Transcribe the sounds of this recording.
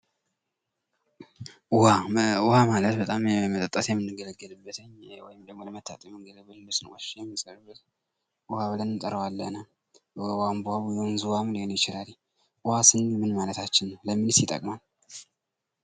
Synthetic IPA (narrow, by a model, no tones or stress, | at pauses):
ʊhaʊhamalət̪bət̪ʼammət̪ʼət̪ʼːəsjɛmɨnːɨɡələɡːəlɨbːət̪ʰəɲwɔjɪmd̪əɡmoləmət̪ʰːa̰t̪ʼəmɨŋɡəlbɨllusɨnwəʃɛjɛmːisʼəɾɨbːət̪ | ʊhaβɨlənɨnt̪ʼəɾəwalːə̰na | wambuhaβujɛunzuwamɨnjenjɪt͡ʃɪlali | ʔʊhasɨnːmɨnmalət̪ʰat͡ʃːɪnːəwləmːinsjɪt̪ʼə̰kʼmal